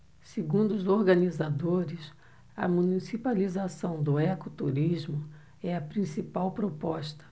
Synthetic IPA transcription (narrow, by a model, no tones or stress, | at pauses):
seɡũd̪ʊʊzoɾɡɐnizad̪oɾɪs | ɐ̰mũnisipalizasɐ̃w̃d̪ʊɛkʊt̪uɾizmʊ | ɛɐpɾĩsipawpɾopɔʃt̪ɐ̥